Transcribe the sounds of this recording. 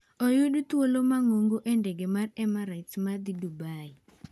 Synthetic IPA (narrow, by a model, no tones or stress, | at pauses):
ɔjudut̪wolomaŋoŋɡoʔendeɡemarɛmaɾajtmad̪idubaɪ